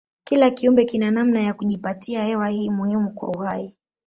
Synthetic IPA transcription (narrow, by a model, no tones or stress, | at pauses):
kilakiumbɛkinanamnajakuʄipatiahɛwahiːmuhimukwa̰uhai